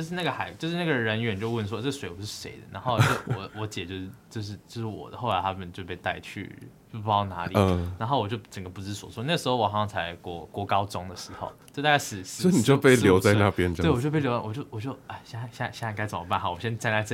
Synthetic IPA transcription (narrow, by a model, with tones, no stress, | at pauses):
jʊʂ̬ɻ̩˥˧na˥˩ɡə˩xa˧˦ɪt͡ɕjo˥˧ʊʂɻ̩˥na˥˩ɡə˩ɻə˧˦nɥɛ˧˥nt͡ɕjo˥˧ʊwə˥˩ns̬wɔ˥t͡sɤ˥˩ə˩swe˧˥ɪwɔ˨˩ʂɻ̩˥˩ʂe˧˥ɪd̪ə̰˨na˧˥nxo˥˧o˥˩wɔ˧˥wɔ˧˥t͡ɕjɛ˨˩t͡ɕjo˥˧ʊʂ̩˥˩t͡ɕjo˥˧ʊʂ̬ɻ̩˥˧t͡ɕjo˥˧ʊʂ̩˥˩wɔ̰˨˩d̪ə˦xo˥˩la˧ɪa˥mə˨n˨t͡ɕjo˥˧ʊpe˥˧ɪt̪a˥˧ɪt͡ɕʰy̰˥˩˥ | ɑ˥˩ʊna˧˥li˨˩na˧˥nxo˥˩ʊwɔ˨˩t͡ɕjo˥˧ʊt͡sə˨˩ŋɡə˩˦pu˥˩t͡sɻ̩˥swɔ̰˨˦˩swɔ˥˧na˥˩ɡə˩ʂɻ̩˧˥o˥ʊwɔ˨˩xɑ˥ŋsɑ˥˧ŋt͡sʰa˧˥ɪkwɔ˥˧kwɔ˥˩kɑ˥ʊt͡so˥ŋd̪ə˨ʂɻ̩˧˥xo̰˨˧ʊt͡ɕo˥˧t̪a˥˩t͡ɕa˥sɻ̩˨˩s̩˨˥˧ni˨˩t͡ɕjo˥˧pe˥˩ɪljo˨˧˦t͡sa˥˧ɪna˥˩pjɛ˦n˧e˥˩wɔ˨t͡ɕjpe˥˩ɪjo˧˥t͡sa˥˩wɔ˨˩t͡ɕjo˥˧˩ʊwɔ˨˩t͡ɕjo˥˩ʊa˥˩ɕja˥˩˧ɕjɕa˥˧˥ka˥ɪt͡sə˨˩mə˦pa˥˩nxɑ˨˩wɔ˨˩ɕjɛ˦˥nt͡sa˥nla˧˥ɪt͡sɤ˥˧